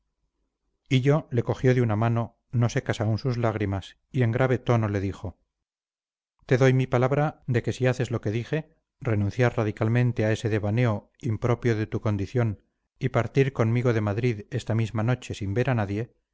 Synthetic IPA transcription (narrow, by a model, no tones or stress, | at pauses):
iʎo̞le̞ko̞xjo̞ðeunamano̞ | no̞sekasaunsuzlaɣ̞ɾimas | ie̞ŋɡɾaβ̞e̞t̪o̞no̞le̞ðixo̞ | t̪e̞ðo̞jmipalaβ̞ɾad̪e̞ke̞siaθe̞zloke̞ðixe̞ | re̞nũnθjaɾraðikalmẽ̞nt̪eae̞se̞ðe̞βane̞o̞ | impɾo̞pjo̞ðe̞t̪uko̞nd̪iθjo̞n | ipaɾt̪iɾko̞nmiɣo̞ðe̞maðɾiðe̞st̪amizmano̞t͡ʃe̞simbe̞ɾanaðje̞